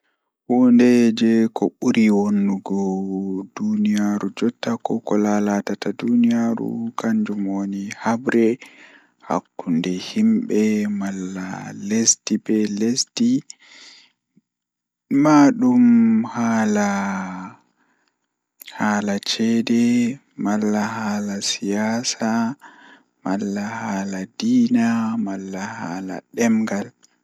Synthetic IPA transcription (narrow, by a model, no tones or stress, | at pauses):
wɔndɛd͡ʒɛkɔɓuɾiwonːuɡɔdunijaɾud͡ʒɔtːakɔkɔlalatatadunijaɾṵkaɲd͡ʒumonihabɾɛ | ha̰kːundɛhimɓɛmalːa̰lestibɛlesti | maɗumhaːla | haːlat͡ʃɛdɛ | malːahaːlasijaːsa | malːahaːladiːnamalːahaːla̰ɗɛmɡal